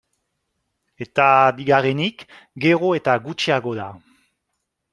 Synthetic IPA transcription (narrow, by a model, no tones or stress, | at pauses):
e̞t̪abiɣarenik | ɡeʁoe̞t̪aɡut͡ʃiaɣoða